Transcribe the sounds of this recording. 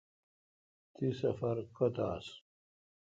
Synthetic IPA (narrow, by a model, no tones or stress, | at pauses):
t̪isɐfɐɾkɐt̪a̰ːs